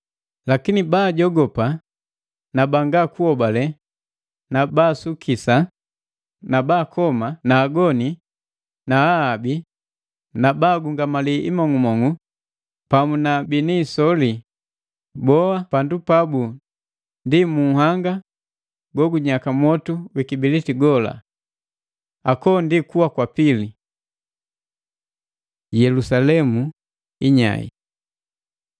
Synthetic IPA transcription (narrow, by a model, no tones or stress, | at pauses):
lakinibaːɟɔɡɔpa | nabaŋɡakuɔbalɛ | nabaːsukʰisa | nabaːkʰɔmanaːɡɔni | naːbi | nabaːɡuŋɡamaliʔimɔŋumɔŋu | pamunabiniːsɔli | bɔapandupabu | ndimuhaŋɡa | ɡɔɡuɲakamwɔtuwikibilitiɡɔla̰ | akɔndikuwakwapili | jɛlusalɛmu | iɲa̰ḭ